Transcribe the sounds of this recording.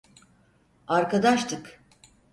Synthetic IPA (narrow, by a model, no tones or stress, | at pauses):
aɾkad̪aʃt̪ʰɯk